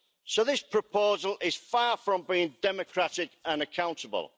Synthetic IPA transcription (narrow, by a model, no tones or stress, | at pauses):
soʊðɪspʰɹ̥əpʰoʊzəlʔɪz̥fɑːfɹə̃mbiːɪ̃ŋdɛməkʰɹ̥atɪkə̃nəkʰãʊ̃ntəbə̰lˠ